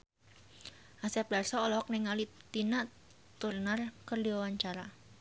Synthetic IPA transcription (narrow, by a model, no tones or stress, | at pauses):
ʔasɛp̚darsɔːlɔɦɔk̚nɛŋalit̪ina | t̪urnarkərdiwawaɲt͡ʃaɾa